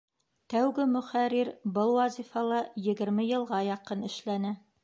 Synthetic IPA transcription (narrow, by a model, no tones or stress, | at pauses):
t̪æwɡɘmɵ̆χæɾiɾbɤlˠwɑzʲifɑlˠɤjɘ̆ɡɘ̆ɾmɘjɤ̆lˠʁɑjɑqɤnɘ̆ʃlænɘ